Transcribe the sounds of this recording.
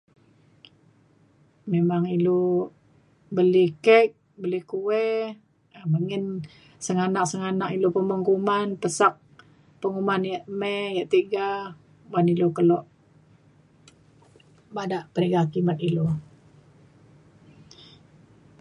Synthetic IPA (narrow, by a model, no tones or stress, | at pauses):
memaŋilo | bəlihkɛk̚ | bəlikuwɛ | əməŋɪn | səŋanaʔsəŋanaʔilopəməŋkumanpəsak̚ | pəŋumanjaʔmɛjaʔt̪iɡa | banilokəlɔʔ | badaʔpəɾeɡakimat̪̚ilo